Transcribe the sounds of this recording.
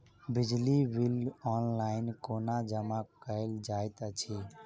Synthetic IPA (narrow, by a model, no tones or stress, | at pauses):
bɪd͡ʒliwilɔnlaɪnkonad͡ʒəmakəeld͡ʒaːjt̪ət͡ʃʰi